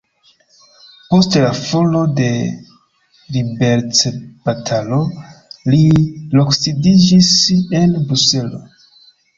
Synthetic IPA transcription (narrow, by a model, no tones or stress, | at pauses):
po̞stlafolo̞de̞ | libe̞ɾt͡seb̥atʰalo̞liloksidid͡ʒise̞nbɾuse̞lo̞